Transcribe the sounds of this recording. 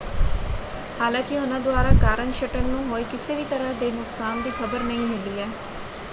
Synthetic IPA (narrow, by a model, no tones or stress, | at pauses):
haːlãːkɪɦʊnãːd̪ʊaːɾaːkaːɾənʃəʈəknũːɦoːiːkɪseːʋiːt̪əɾaːd̪eːnʊksaːnd̪iːkʰəbəɾnəĩːmɪliːɛː